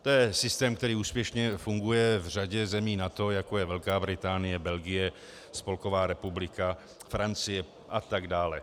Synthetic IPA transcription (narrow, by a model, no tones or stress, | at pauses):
t̪o̞jɛsɪst̪ɛːmkt̪ɛɾiːuːspjɛʃɲɛfuŋɡujɛvr̝aɟɛzɛmiːnat̪o̞jako̞jɛvɛlkaːbɾɪt̪aːnɪjɛbɛlɡɪjɛ | spo̞lko̞vaːɾɛpublɪka | fɾant͡sɪjɛ | ʔat̪aɡdaːlɛ